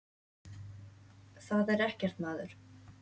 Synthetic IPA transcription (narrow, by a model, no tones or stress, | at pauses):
θaðɛɾɛhcɛɾ̥t̪naːðʏɾ̥